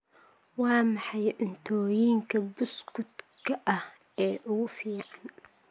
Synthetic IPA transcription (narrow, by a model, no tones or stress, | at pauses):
wɑːmɑħɑjʔɪnt̪ʰɔːjiːŋkʰɐbʊskʊd̪kʰɐʔɐh | ɛːʔʊɣʊfiːʕan